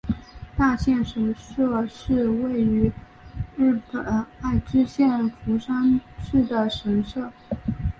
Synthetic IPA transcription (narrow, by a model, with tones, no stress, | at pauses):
t̪a˥˧ɕjɛ˥˩nʂə˧˥ŋʂɤ˥˧ʂɻ̩˥˧we˥˩ɪy˧˥ | ɻɻ̩˥˩pə˨˩na˥˩ɪʈ͡ʂɻ̩˥ɕjɛ˥˩nfu˧˥ʂa˥ŋʂɻ̩˥˩d̪ə˩ʂə˧˥ŋʂɤ˥˩